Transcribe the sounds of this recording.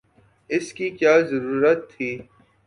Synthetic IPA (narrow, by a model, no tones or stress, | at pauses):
ɪskikjaːzɐɾuːɾət̪ʰːiː